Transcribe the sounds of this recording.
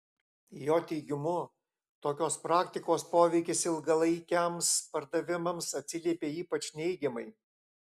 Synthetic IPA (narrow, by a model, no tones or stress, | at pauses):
joːt̪ʲɛɪɡʲɪmʊ | t̪oːkʲoːspɾɑːkt̪ʲɪkoːspoːʋʲɛɪkʲɪsɪlˠɡɐlˠɐɪkʲɛmspɐɾd̪ɐʋʲɪmɐmsɐt̪ʲsʲɪlʲiɛpʲeːiːpɐt͡ʃʲnʲɛɪɡʲɛmɐɪ